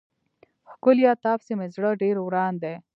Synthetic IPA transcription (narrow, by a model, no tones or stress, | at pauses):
hkʊljɑt̪ɑːpsemezɽəɖeɾwɾɑːnd̪e